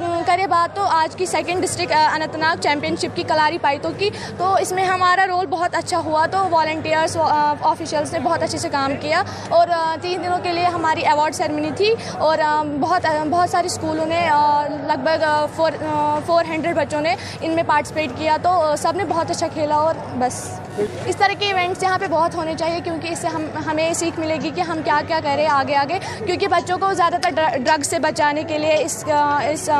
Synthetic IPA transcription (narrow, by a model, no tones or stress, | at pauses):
kɐɾebaːd̪̚t̪ːoaːd͡ʒkisɛkə̃ɳɖɪsʈɾɪkʈɐnə̃nt̪naːk̚t͡ʃɛ̃ːmpijənʃɪp̚kikɐlaːɾipaːit̪õki | t̪oɪsmẽɦɐmaːɾaɾoːlbɐɦʊt̪ɐtːʃʰaɦuat̪oʋaːlə̃ɳʈijəɾzɔːfiʃjəlznebɐɦʊt̪ɐtːʃʰesekaːmkija | ɔːɾt̪iːnd̪ɪnõkelieɦɐmaːɾiɛʋɔːɾɖsɛːɾmɪnit̪ʰi | ɔːɾbɐɦʊt̪bɔɦt̪saːɾiskuːlõnelɐɡ̚bʱəɡfoːɾfoːɾɦɛ̃ːɳɖɾeɖbɐtːʃõne | ɪnmẽpaːɾʈɪ̥sɪpeːʈkijat̪osɐbnebɔɦɔt̪ɐtːʃʰakʰeːlaɔːɾ | bɐs | ɪst̪ɐɾəɦkiɪʋẽɳʈsjɐɦãpebɔːʊt̪ɦoːnet͡ʃaːɦiekjõːkiɪsːeɦɐmɦɐmẽsiːkʰmɪleːɡikiɦɐmkjaːkjaːkɛɦɾẽɦẽaːɡeaːɡɐe | kjõːkibɐtːʃõkozjaːd̪at̪ɐɾɖɾɐɡsebɐt͡ʃaːnekelieɪsɪs